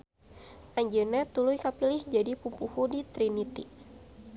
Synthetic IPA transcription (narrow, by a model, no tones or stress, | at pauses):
ʔaɲd͡ʒɨnat̪ulujkapilɪhd͡ʒadipupuhudit̪ɾinit̪i